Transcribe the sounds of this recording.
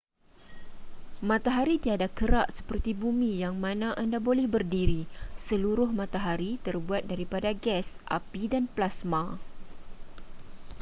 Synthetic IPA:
mãt̪aɦaɾit̪iadakəɾaʔsə̥pərt̪ibumĩjaŋmãnãʔandabolɛhbərdiɾisəluɾʊhmãt̪aɦaɾit̪ərbuat̪̚daɾipadaɡɛsʔa̰pidanplasmã

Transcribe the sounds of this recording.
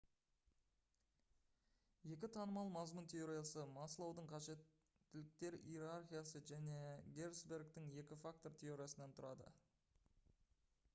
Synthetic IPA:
je̞kʲɪt̪ʰɑnəmɑlˠmɑzmʊnt̪ʰe̞jo̞ɾijasəmɑslˠɑwd̪əɴqʰɑʒe̞t̪ː | ɪlɪk̚t̪e̞ɾḭjɾarχʲijasəʒæne̞ɡʲe̞ɾsbe̞ɾɡt̪ɪŋje̞kʲɪfak̚t̪o̞ɾt̪ʲʰe̞o̞ɾijasənɑnt̪ʰʊɾɑd̪ə̰

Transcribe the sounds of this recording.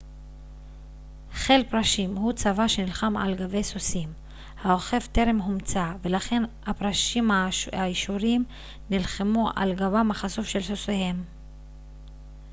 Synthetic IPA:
χe̞lpʁaʃimhut͡savaʃenilχamʕa̰lɡave̞jsosim | haoχe̞vt̪e̞ɾe̞mɦumt͡save̞laχe̞nhapʁaʃimaaiʃuɾim | nilχemuʔa̰lɡabamaχasufʃe̞lsosehe̞m

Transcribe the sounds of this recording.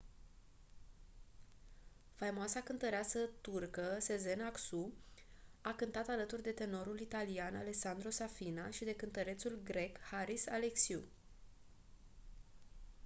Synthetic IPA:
fajmoasakɨnt̪əɾeasət̪urkəse̞ze̞naksu | akɨnt̪at̪alət̪urʲd̪e̞t̪e̞no̞ɾulit̪alianale̞ksand̪ɾo̞safinaʃid̪e̞kɨnt̪əɾe̞t̪sulɡɾe̞khaɾisaleksiu

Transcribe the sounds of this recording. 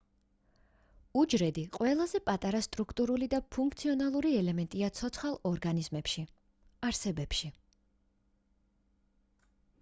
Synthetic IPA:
ud͡ʒɾɛd̪iqʼwɛlˠazɛpʼat̪ʼaɾast̪ʼɾukʰt̪ʼuɾulid̪apʰuŋkʰt̪sʰiɔnalˠuɾiɛlɛmɛnt̪ʼiat̪sʰɔt̪sʰχalˠɔɾɡanizmɛpʃi | aɾsɛbɛpʃi

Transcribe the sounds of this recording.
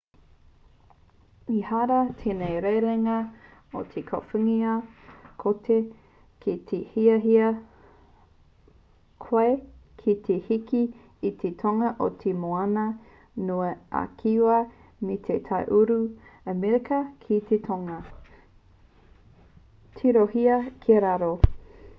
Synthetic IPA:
ihaɾɐt̪ʰenejɾejɾeŋɐot̪ʰekʰofuŋiɐkʰotʰe | kitʰehiɐɦiɐ | kʰwaekʰit̪ʰehikiː | t̪ʰet̪ʰoŋɐʔo̰t̪ʰemoɐnɐ | nuɐʔa̰kʰiwɐmit̪ʰet̪ʰɐjʔuɾuəmiɾekɐkʰit̪ʰet̪ʰoŋɐ | t̪ʰiɾohiɐkʰiɐɾaɾo

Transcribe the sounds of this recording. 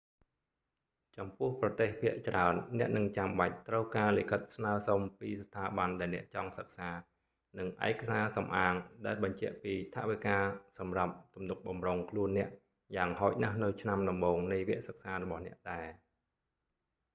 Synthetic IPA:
t͡ɕɑmpʊ̆əhprɑt̪eːhpʰiəʔt͡ɕraənːɛ̆əʔnɨŋt͡ɕamɓac̚t̪rəwkaːlikʰət̪̚snaəsompiːst̪ʰːaːɓanɗaɛlnɛ̆əʔt͡ɕɑŋsək̚saː | nɨŋʔa̰ɛkasaːsɑmʔaːŋɗaɛlɓɑɲt͡ɕɛ̆əʔpiːt̪ʰaʔʋikaːsɑmrap̚t̪umnuk̚ɓɑmroːŋkʰluənːɛ̆əʔ | jaːŋhaɔc̚nahnɨwt͡ɕʰnamɗɑmɓoːŋnɨjʋiəʔsək̚saːrɔɓɑhnɛ̆əʔɗaɛ

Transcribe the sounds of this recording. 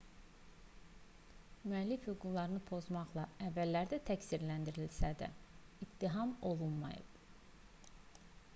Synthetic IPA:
myælːifhyɡuɾlˠɑɾɯnɯpʰo̞zmɑχlˠɑævːælːæɾd̪æt̪ʰæcsiɾlænd̪iɾilsæd̪æ̰ | it̪ːiɦɑmo̞lˠunmɑ̰jɯ̰b̥

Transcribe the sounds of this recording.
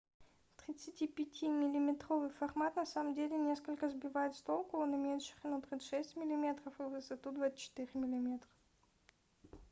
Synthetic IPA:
t̪ɾʲɪt̪sɨtʲipʲɪtʲʰimʲɪlʲɪmʲɪt̪ɾo̞vɨjfɐrmat̪nɐsaməmdʲelʲɪnʲe̞skəlʲkəzbʲɪvajɪt̪st̪olˠkəlˠnɨmʲenʲʂɨ̥xnot̪ɾʲɪʂɛsʲtʲmʲɪlʲɪmʲe̞t̪rəfɨvɨsɐt̪ud̪vat͡ɕːɪ̥t̪ɨɾʲɪmʲɪlʲɪmʲe̞t̪rə̥f

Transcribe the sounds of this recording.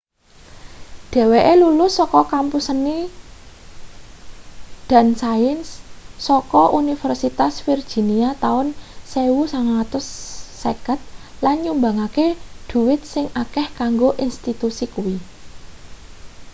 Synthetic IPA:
ɖ̥ɛ̤weʔelulʊsːɔkɔkampusəni | d̪̥a̤nsaɪnsːɔkɔʔunifɛrsit̪asfird̥ʒ̥i̤niat̪aʊnsewusaŋat̪ʊsː | ekət̪̚lanɲumbaŋakeɖ̪̥ṳwɪt̪̚sɪŋakɛhkaŋɡoʔinst̪it̪usikuwi

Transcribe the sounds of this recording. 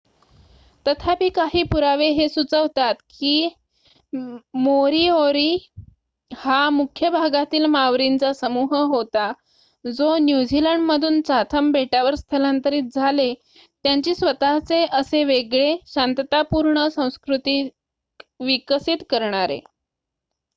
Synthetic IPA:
t̪ət̪ʰapiːkaɦiːpuɾaʋeɦesut͡səʋt̪at̪kiː | moɾioɾiː | hamukʰjəbʱaɡat̪iːlmaʋɾint͡sasəmuɦəɦot̪a | d͡zonjud͡ʑiləɳɖməd̪ʱuːnt͡sat̪ʰəmbʱeʈaʋəɾst̪ʰəlant̪əɾiːt̪̚d͡zʱale | t̪jaɲt͡ɕiːsʋət̪at͡seʔəseʋeɡɭeɕant̪t̪apuɾɳəsə̃w̃skɾut̪iː | ʋikəsit̪kəɾɳaɾḛ

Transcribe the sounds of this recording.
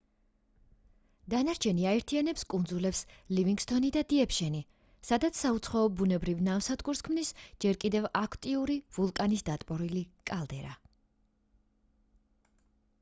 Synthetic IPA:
d̪̥anaɾt͡ʃʰɛniaɛɾt̪ʰianɛpskʼund̪zulɛpsliviŋɡst̪ʰʼɔnid̪ad̪iɛpʰʃɛni | sad̪at̪sʰsaut̪sʰχaɔbunɛbɾivnamsad̪ɡuɾskʰmnisd͡ʒɛɾkʼid̪ɛvakʰt̪ʼiuɾivulˠkʼanisd̪at̪ʼpʼɔɾilikʼalˠd̪ɛɾa

